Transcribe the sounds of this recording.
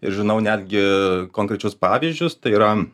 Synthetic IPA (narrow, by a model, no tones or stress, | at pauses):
ɪ̰ɾʒʲɪnɐʊnʲæːd̪ʲɡʲɪkoːŋkɾʲɛt͡ʃʲʊspɑːʋʲizʲd͡ʒʲʊst̪ɐɪiːɾɐ